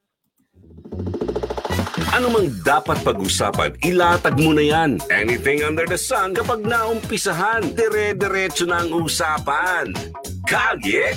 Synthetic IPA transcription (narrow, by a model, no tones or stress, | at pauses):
ʔɐnʊmaŋd̪aːpɐt̪̚pɐɡusa̰ːpɐ̰nɪlaːt̪ɐɡ̚munɐjanʔɛniθɪ̃ŋɐ̃nd̪ɛɹd̪ɐsɐ̃nkɐpaɡ̚naʔʊmpɪsɐɦand̪ɛɾɛd̪ɛɾɛt͡ʃonɐɐŋʔuːsaːpɐn | kaːɡɪ